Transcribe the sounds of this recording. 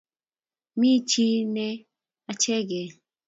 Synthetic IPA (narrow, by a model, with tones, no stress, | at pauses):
mi˦t͡ʃi˦nɛ˦ | a˨t͡ʃɛ˦ɡɛ˨